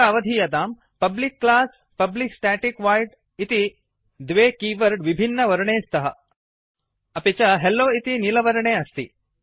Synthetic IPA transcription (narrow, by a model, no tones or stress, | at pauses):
ɐʋɐd̪ʱijɐd̪aːm | pɐblikːlaːs | pɐbliksʈaːʈikʋaːjɖ | it̪i | d̪ʋeːkiːʋɐɾɖʋibʱinːɐʋɐɾɐɳeːst̪ʰɐɦɐ | ɐpet͡ʃɐɦelːoːit̪inilɐʋɐɾɐɳeːɐst̪ḭ